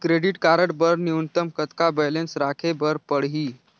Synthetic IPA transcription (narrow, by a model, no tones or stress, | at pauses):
kɾeɽiʈkaɾəɽbəɾniunt̪əmkət̪kabɛlensɾakʰebəɾpəɽɦiː